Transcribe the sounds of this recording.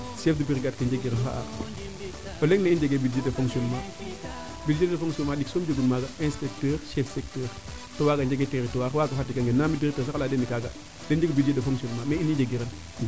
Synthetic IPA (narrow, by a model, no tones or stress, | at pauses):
sefdupiɾɡat̚kɐnd͡ʒeɡiɾɐnɦa̰ʔa̰ | oleŋneind͡ʒeɡeːbidd͡ʒedefoŋksɔnma | bidd͡ʒeddefoŋsiɔnmaɗiksoːmd͡ʒeɡunmaːɡaɛ̃nspɛk̚təɾʃɛfsɛk̚təːɾ | towaɡand͡ʒeɡeteɾitowaxwaɡɐfatːikaŋɡenːamidiɾɛk̚təːɾsakalaːdenːikaːɡa̰ | dend͡ʒeɡbidd͡ʒedefoŋsionmameinid͡ʒeɡiɾɐn